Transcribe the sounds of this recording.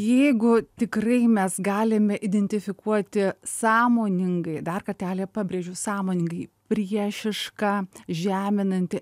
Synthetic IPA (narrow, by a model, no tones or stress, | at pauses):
jɛɪɡʊt̪ʲɪkrɐɪmʲɛsɡɑːlʲɪmʲɛʔɪd̪ʲɛnʲt̪ʲɪfʲɪkuɔt̪ʲɪsɑːmoːnʲɪŋɡɐɪd̪ɐrkɐrʲt̪ʲæːlʲeːpɑːbʲɾʲeːʒʲʊːsɑːmoːnʲɪŋɡɐɪpʲɾʲiɛʃʲɪʃkɑːʒʲæːmʲɪnɐnʲt̪ʲɪ